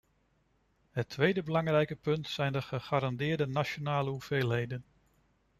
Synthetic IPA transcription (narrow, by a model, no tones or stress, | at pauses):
ɦətʰʋejdəbəlɑŋrɛjkəpɵntsɛjndəχəχaːɾɑndɪːɹdənat͡ʃonaːləɦuv̥ejlˠɦejdən